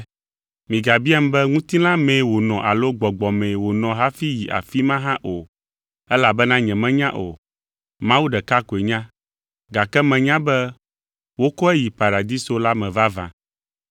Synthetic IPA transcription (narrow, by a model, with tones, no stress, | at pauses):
mĩ˨ɡa˨bi˦a˦m̩˦bɛ˦ŋũ˦t̪ĩ˦lã˦mẽ˨wo˨nɔ̃˨ʔa˨lo˦ɡ͡bɔ˨ɡ͡bɔ˨mɛ̃˨wo˨nɔ̃˨ɦa˦fi˦ji˨ʔa̰˨fi˦mã˦ɦã˦ʔo˨ | ɛ˦la˨bɛ˦nã˦ɲɛ̃˨mɛ̃˦ɲã˦ʔo̰˨ | mã˦wu˦ɖɛ˨ka˦ko˨e˨ɲã˦ | ɡa˨kɛ˦mɛ̃˨ɲã˦bɛ˦ | wo˦kɔ˦ɛ˦ji˨pa˨ɾa˨d̪i˦so˦la˦mɛ̃˨va˦vã̰˨